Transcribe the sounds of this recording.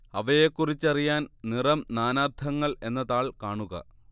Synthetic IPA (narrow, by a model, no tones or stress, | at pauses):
ɐʋɐjekːurit͡ɕːɐrijaːnnirɐmnaːnaːrt̪ʰɐŋːɐɭe̞nːɐðaːɭkaːɳuɣɐ̰